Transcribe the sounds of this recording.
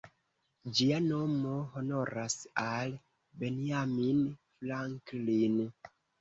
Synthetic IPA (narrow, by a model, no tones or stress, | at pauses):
d͡ʒianomoɦono̞ɾasal | beniaminflaŋklin